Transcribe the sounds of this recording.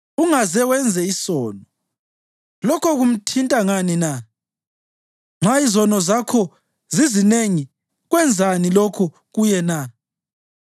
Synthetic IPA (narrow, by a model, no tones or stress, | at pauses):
uŋazɛwɛnd͡zʱɛisɔːnɔ | lɔkʰɔɣum̩tʰintʼaŋanina | ŋ͡ǁʱaizɔnɔzakʰɔ | zizineŋi | ɣwɛnd͡zʱanilɔkʰɔ | ɣujɛna